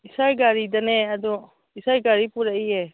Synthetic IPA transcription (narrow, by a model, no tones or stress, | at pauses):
isajɡaɾid̪anɛad̪ɔ | isajɡaɾipuɾaʔiɛ